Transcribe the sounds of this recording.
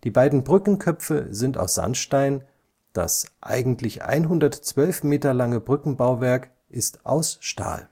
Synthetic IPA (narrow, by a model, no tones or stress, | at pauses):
d̥iːbaɪdn̩bʁʏkn̩kʰœpfə̰zɪnta̰ʊsz̥a̰nʃtaɪn | d̥a̰sʔa̰ɪɡŋ̩tʰlɪçʔa̰ɪnɦʊndɐtt͡sv̥œlfmeːtɐlaŋəbʁʏkn̩baʊvɛɐk | ʔɪstʔaʊsʃta̰ːl